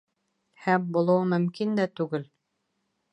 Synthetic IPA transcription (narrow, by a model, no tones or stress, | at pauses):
hæmbulˠɤwmɵ̆mkind̪æt̪ʉɡɘl